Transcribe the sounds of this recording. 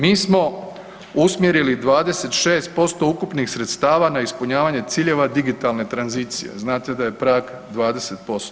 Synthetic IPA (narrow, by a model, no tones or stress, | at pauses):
miːsmo̞ | usmjeɾilid̪ʋaːd̪e̞se̞t̪ʃeːst̪̚po̞st̪o̞ukupnixsɾet̪st̪aːʋanaispuɲaːʋaɲe̞t̪siːʎe̞ʋad̪iɡit̪alne̞t̪ɾanziːt̪sijḛznaːt̪ed̪aje̞pɾaːk | d̪ʋaːd̪e̞se̞t̪̚po̞st̪o